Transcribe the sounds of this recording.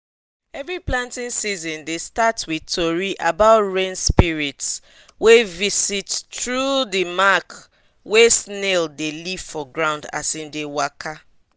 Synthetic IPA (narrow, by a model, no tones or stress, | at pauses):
ɛvɹiplãntĩnsizɔ̃ndestatwitʰoɹiʔabaʊtɹẽnspiɹits | wevisitːɹudimak | wesneldeliv̥fɔɡɹãʊ̃nda̰sĩmdewakʰa